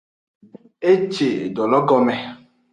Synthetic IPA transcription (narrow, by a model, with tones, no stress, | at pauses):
e˦t͡ʃḛ˨dɔ˨lɔ˦ɡɔ˦mɛ˦